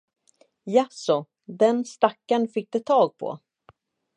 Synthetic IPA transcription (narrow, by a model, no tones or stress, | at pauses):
jasɔ | d̪ɛnst̪akːaɳfɪk̚ːd̪ɛt̪ʰːɑːɡ̚pʰɔ̰